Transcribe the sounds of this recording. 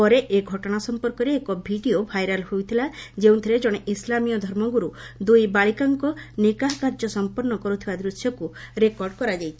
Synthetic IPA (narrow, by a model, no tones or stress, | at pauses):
ɔɾeʔeɡʱɔʈɔɽ̃asɔmpɔɾkɔɾeːkɔbʱiɖiobʱajɾalhojt̪ʰilad͡ʒew̃t̪ʰiɾed͡ʒɔɽ̃eʔislamijɔd̪ʱɔɾmɔɡuɾud̪ujbaɭikaŋkɔnikaɦkaɾd͡ʒɔsɔmpɔɾnːɔkɔɾut̪ʰibad̪ɾusjɔkuɾekɔɾɖkɔɾad͡ʒajt̪ʰi̥